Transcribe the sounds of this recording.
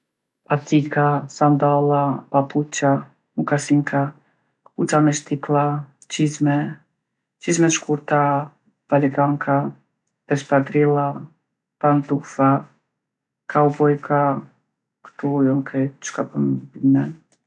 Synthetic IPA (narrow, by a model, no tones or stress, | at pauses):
pat̪ikasand̪alapaput͡ʃa | mukasiŋkʰa | put͡ʃamɛʃt̪ikla | t͡ʃizmɛ | t͡ʃizmɛʃkuɾt̪a | palɛɡaŋkʰa | d̪ɛspad̪ɾila | pand̪ufa | kʰauvɔjkʰa | kt̪ujɔŋkʰɛt͡ʃkapəmbimɛn